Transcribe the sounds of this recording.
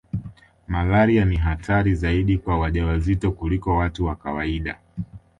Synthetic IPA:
malaɾianiɦatʰaɾizaiɗikwawaʄawazitɔkulikɔwatuwakawaiɗa̰

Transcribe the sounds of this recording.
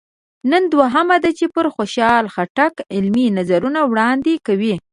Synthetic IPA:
nənd̪waɦamad̪at͡ʃepəɾxoʃɑlxaʈakɪlminazaɾunawɽɑnd̪ekawi

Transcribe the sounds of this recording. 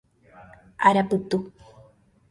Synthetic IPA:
ʔaɾapɨt̪u

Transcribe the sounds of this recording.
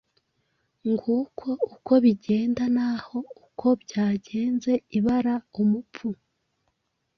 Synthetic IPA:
ŋɡukʰo̞uko̞βiɟeːndanaho̞ukʰo̞bɟaːɟe̞ːnze̞iβaɾaumupu

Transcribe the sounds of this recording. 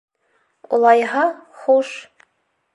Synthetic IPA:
ṵlˠɑjɦɑχuʃ

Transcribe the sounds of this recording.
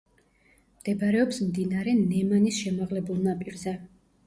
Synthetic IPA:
md̪̥ɛbɾɛɔpsmd̪inaɾɛnɛmanisʃɛmaʁlɛbulˠnapʼiɾzɛ

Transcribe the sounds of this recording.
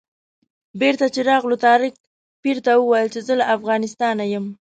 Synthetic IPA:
beɾt̪at͡ʃeɾɑɣlot̪ɑɾɪk̚ | piɾt̪awəwajəlt͡ʃezəlaʔafɣɑnɪst̪ɑnajəm

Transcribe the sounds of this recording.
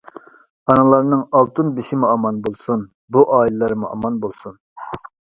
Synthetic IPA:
ɑnɨlˠɑɾnɨŋɑlˠt̪ʰɨnbɪʃɪmuɑmɑnbolˠsun | buʔɑːilɪlˠɑɾmuʔɑ̰mɑnbolˠsun

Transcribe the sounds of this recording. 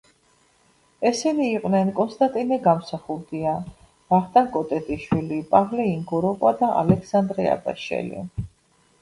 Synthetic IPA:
ɛsɛniːqʼwnɛnkʼɔnst̪ʼant̪ʼinɛɡamsaχuld̪ia | v̥aʁd̪ʼakʼɔt̪ʼɛt̪ʼiʃwilipʼavlɛiŋɡɔɾɔkʼwad̪aʔa̰lɛkʰsand̪ɾɛa̰ba̰ʃɛ̰lḭ

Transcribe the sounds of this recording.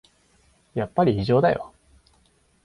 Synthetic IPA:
japːaɾʲiiʑo̞ːd̪ajo̰

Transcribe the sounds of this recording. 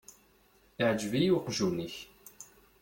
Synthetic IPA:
iʕd͡ʒvijuqʒuniç

